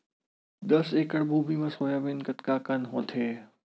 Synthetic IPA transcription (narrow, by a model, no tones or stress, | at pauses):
d̪əseːkəɽbuːbimɐ̃soːjaːʋinkɐt̪kaːkɐnɦõːt̪ʰeː